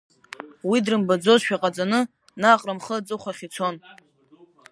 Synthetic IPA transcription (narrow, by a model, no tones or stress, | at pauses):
widrɨmbad͡zo̞zʃᶣaqʼat͡sʼanɨ | naqʼramχəat͡sʼɨχʷaχʲit͡sʰo̞n